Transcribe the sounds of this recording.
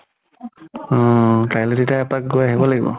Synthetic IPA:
ɔ̃kajlɛtetaɛpak̚ɡojaɦibɔlaɡibɔ̰

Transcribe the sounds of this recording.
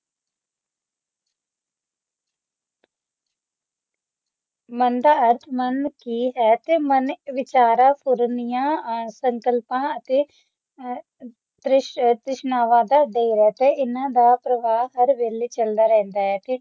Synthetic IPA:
mənd̪aːəɾt̪ʰmənkiːɦɛːt̪eːmənʋɪt͡ʃaːɾaːpʰʊɾnɪjãːsəŋkəlpãːət̪eː | t̪ɾɪʃt̪ɾɪʃnaːʋãːd̪aːd̪eːɾɛːt̪eːɪnãːd̪aːpɾəʋaːɦəɾʋeːlet͡ʃəld̪aːɾɛ̃ːnd̪aːɦɛːt̪eː

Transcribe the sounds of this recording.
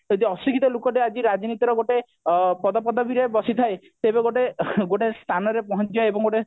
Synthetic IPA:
et̪iɔsikʰit̪ɔlokɔʈead͡ʒiɾad͡ʒinit̪iɾɔɡoʈe | pɔd̪ɔpɔd̪ɔbʱiɾebɔsit̪ʰae | t̪ebeɡoʈeɡoʈest̪ʰanɔɾepɔɦɔntjɔebɔŋɡoʈe

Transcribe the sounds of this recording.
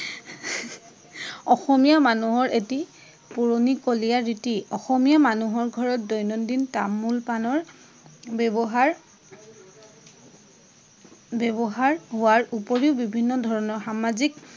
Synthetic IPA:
ɔxɔmijamanuɦɔɹʔeti | puɹonikolijaɹitiɔxɔmijamanuɦɔɹɡʱɔɹɔt̚dɔjnɔndintamːulpanɔɹ | bbɔɦaɹ | bɛbɔɦaɹɦʊwaɹupoɹiʊbibʱinːɔdʱɔɹɔnɔɹxamazik̚

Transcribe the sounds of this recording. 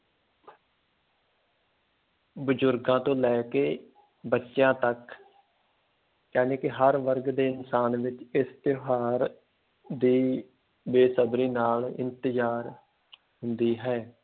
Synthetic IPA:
bəd͡ʒʊɾɡãːt̪õːlɛːkeː | bətːʃjãːt̪ək | jaːneːkɪɦəɾʋəɾɡd̪eːɪnsaːnʋɪt͡ʃɪst̪ɪɦaːɾ | d̪iː | beːsəbɾiːnaːlɪ̰nt̪əzaːɾ | hʊnd̪iːɦɛː

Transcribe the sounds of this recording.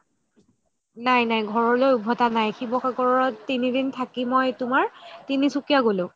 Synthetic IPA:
najnajɡʱɔɹɔɹlojubʱɔtanajxʰibɔxaɡʱɔɹɔɹɔtːinidintʰakimɔjtʊmaɹtinisukijaɡolʊ̃

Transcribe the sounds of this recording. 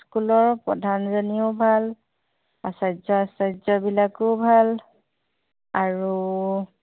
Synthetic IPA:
skulɔɹpɹɔdʱanzɔniɔbʱal | asajzɔsajzɔbilakʊbʱal | aɹu

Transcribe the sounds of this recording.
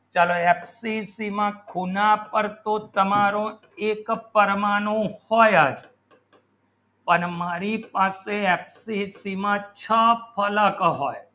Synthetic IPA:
t͡ʃaloɛpsisimãkʰunapəɾt̪ot̪əmaɾõ | ekpəɾmanõhɔjad͡ʒ | pəɳmaɾipaseɛpsisimãt͡ʃʰəpʰələkɦɔj

